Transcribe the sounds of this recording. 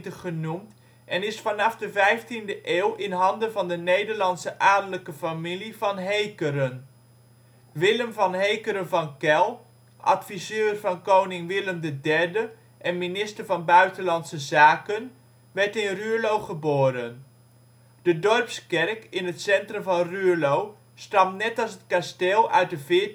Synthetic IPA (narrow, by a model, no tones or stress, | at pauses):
təχənumt | ʔɛnɪsfɑnɑfdəvɛjftindəʔeːwʔɪnɦɑndənvɑndənejdəɹlɑnsəʔaːdələkəfamiliv̥ɑnɦejkəɾən | ʋɪləmvɑnɦejkəɾənvɑnkɛlˠ | ʔɑ̰tfizøːrvɑnkownɪŋʋɪləmdədɛɹdə | ʔɛnminɪstəɹvɑnbœɥtənlɑntsəzaːkən | ʋɛɹtɪnrylowχəboːɾən | d̥ədɔrpskɛrkɪnɦətsɛntrəmvɑnrylow | stɑmnɛtɑlˠsət̚kasteːlˠœ̰ɥt̚dəvɪː